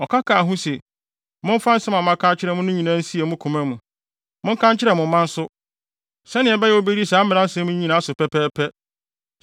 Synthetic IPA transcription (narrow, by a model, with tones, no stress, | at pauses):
ɔ˨kʰa˦kʰa˨ɦũ˦sɛ˨ | mʊ̃˦n˦fã˦n̩˦sɛ̃˦mã˨mã˦kʰã˦t͡ɕʰɪ˦ɾɛ˨mʊ̃˦nʊ̃˦ɲĩ˨nã˦n̩˦si˦e˨mũ˦kʰũ˨mæ̃˦mũ˨ | mʊ̃˦ŋ̩˦kʰã˦ɲt͡ɕʰɪ˦ɾɛ˨mʊ̃˨˦mã˦n̩˦sʊ˦ | sɛ˦nɪ̃˨ɛ˨bɛ˦jɛ˨o˦be˦ɾi˦saː˨˦m̩˦mɪ̃˨nã˦n̩˦sɛ̃˦mũ˦ɲĩ˦nã˨˦a˦sʊ˨pɛ˦pʰɛː˦pʰɛ˦